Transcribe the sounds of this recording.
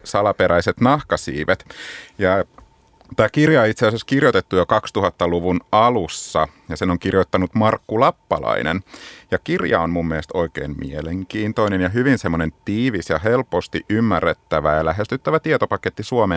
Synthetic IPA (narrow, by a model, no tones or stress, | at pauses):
sɑlɑpeɾæiset̪nɑhkɑsḭːʋet̪jɑ | t̪æːkirjɑoit̪seæseskirjot̪et̪ːujokɑkst̪uhɑt̪ːɑluʋunɑlusːɑjɑsenoŋkirjot̪ːɑnut̪mɑrkːulɑpːɑ̰lɑ̰inḛnjɑkirjɑ̰onmumːiest̪o̞ikḛːmmḭeleŋkiːnt̪oinenjɑɦyʋinsemːonent̪iːʋisjɑɦelpost̪iʔymːærːet̪ːæʋæjɑlæɦest̪yt̪ːæʋæt̪iet̪opɑket̪ːisuome